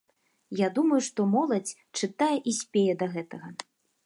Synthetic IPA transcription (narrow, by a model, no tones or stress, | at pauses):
jad̪umɐjuʂt̪ɔmɔlˠɐt͡sʲ | t͡ʂɨt̪ajɛʔisʲpʲejɛd̪ɐɣɛt̪ɐɣɐ